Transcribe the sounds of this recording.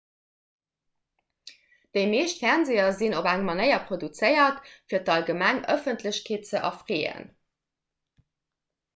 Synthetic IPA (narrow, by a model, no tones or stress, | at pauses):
d̥əɪmeːʃtfæʁnzeːɐzinobæŋmɑnəɪɐpʁodut͡səɪɐtfiːɐtɑlɡəmæŋœfəntʰləɕkʰeːt̚t͡səʔɑ̰fʁeːə̰n